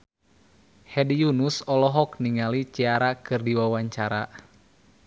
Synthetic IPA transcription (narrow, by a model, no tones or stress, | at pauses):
hɛdijunusɔlɔɦɔkniŋalit͡ʃiaɾakɨrdiwawaɲt͡ʃaɾa